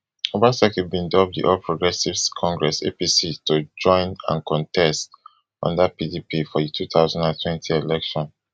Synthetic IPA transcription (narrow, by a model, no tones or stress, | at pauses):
obasɛkibĩndɔp̚dḭʔɔlpʰɹoɡɹɛsivkʰɔ̃ŋɡɹɛsḛpisitod͡ʒɔ̃ɪ̃nã̰nkɔ̃ntʰɛst | ʔɔ̰̃ndapidipifɔditʰuθaʊzãndãntʰwɛ̃ntʰielɛkʃɔ̃n